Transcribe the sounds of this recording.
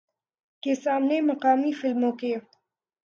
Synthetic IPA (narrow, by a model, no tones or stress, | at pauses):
kesaːmnemɐqɑːmifɪlmõke